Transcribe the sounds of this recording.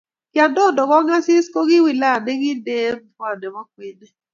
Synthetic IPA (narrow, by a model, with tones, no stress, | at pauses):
kɪ˨a˨ndo˦˨dɔ˨kɔ˦ŋa˦sɪ˦sko˦ɡɪ˦wɪ˨la˦˨nɛ˦ɡɪ˦de˦m˨fwa˨nɛ˨mɔ˦kwɪ˦nɛ˦